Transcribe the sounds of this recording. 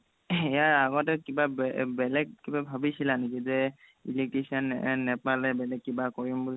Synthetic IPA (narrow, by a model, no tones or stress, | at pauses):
ɛjaaɡɔtɛkibabbɛlɛɡ̚kibabʱabisilanekizɛ | ḭlik̚tesɔnːɛpalɛbɛlɛkːibakɔɹimbul